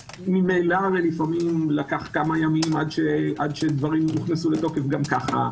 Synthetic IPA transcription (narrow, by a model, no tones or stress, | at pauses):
mimejlaʁelifamimlakaχkamajamimad̪ʃeʔad̪ʃed̪vaʁimniχnesulet̪o̞kefɡamkaχa̰